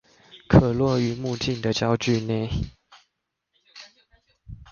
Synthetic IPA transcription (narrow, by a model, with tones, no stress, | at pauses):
kʰɤ˨˩lwɔ˥˩y˨˩mu˥˧t͡ɕi˥˨nd̪ə˨t͡ɕjɑ˦ʊt͡ɕy˥˧ne˥˩˨ɪ